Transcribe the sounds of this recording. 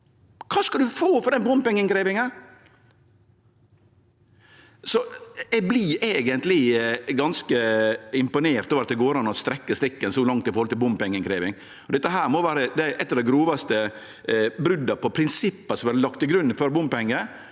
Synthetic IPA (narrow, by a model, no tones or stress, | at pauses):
kʰɑːskɑld̪ʉfoːfɔɾd̪ɛnbʊmpɪŋːəŋkɾeːʋɪŋən | sɔɛɡ̚blɪʔeːɡənt̪lɪɡɑnskəɪmpʊneːɾt̪oːʋəɾɑt̪d̪ɛɡoːɾɑnɔst̪ɾɛkːəst̪ɾɪkːənsɔlɑŋt̪ɪfɔɾhɔlt̪ɪlbʊmpɛŋːəŋkʰɾeːʋɪŋ | ɔd̪ɛt̪ːəɦæːɾmɔʋæːɾəd̪æɪʔɛt̪ːɑɾd̪æɪɡɾuːʋɑst̪ə | bɾʉd̪ːɑpɔpʰɾɪnsɪpːɑsɔʋæɾlɑkt̪ɪɡɾʉnːfɔɾbʊmpɛŋːə